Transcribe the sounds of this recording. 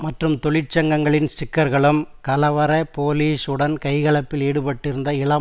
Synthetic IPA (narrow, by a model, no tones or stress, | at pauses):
mɐʈrɯmt̪ɔɭɪʈ̚t͡ʃɐŋɡɐŋɡɐɭɪnsʈɪkːɐɾɣɐɭɯmkɐlɐʋɐɾɐpoːliːsɯɽɐnkɐɪɣɐɭɐpːɪleːɽɯpɐʈːɪɾɯnd̪ɐɪɭɐ